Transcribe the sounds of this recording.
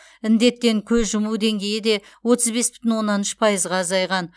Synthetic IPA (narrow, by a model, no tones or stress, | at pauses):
ɪnd̪e̞t̪ːe̞ŋkʲʰɵzʒʊmuwd̪e̞ŋɡʲe̞jɪd̪e̞ | wo̞t̪əzbe̞sbɪ̥t̪ɪnwo̞nːɑnʏʃpʰɑjəzʁɑːzɑjʁɑn